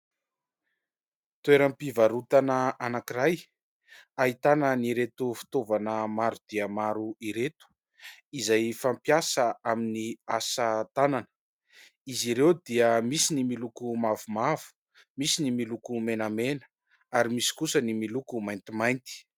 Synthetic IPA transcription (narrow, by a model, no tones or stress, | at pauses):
t̪ueɾampivaɾut̪anəanakiɾaj | aɦit̪anəniɾet̪ufi̥t̪ovanəmaɾud̪̥iəmaɾuiɾet̪u̥ | izajfampjasəaminiasət̪ananə̥ | iziɾewd̪iəmisinimilukumavumavu̥ | misinimilukumenamenə̥ | aɾimisi̥kusənimilukumajnt̪imajnt̪i̥